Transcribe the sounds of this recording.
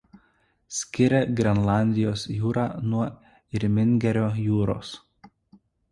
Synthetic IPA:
sʲkʲɪɾʲɛɡɾʲɛnlˠɑˑnʲd̪ʲɪjoːsjuːɾɑːnuɐ | ɪɾʲmʲɪnʲɡʲɛɾʲoːjuːɾo̰ːs

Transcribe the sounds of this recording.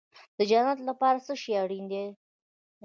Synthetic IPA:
d̪̥əd͡ʒanat̪lapɑɾasəʃeaɽind̪e

